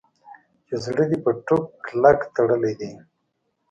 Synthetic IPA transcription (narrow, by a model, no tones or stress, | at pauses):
jozɽəd̪ipəʈukːlakt̪əɽəled̪i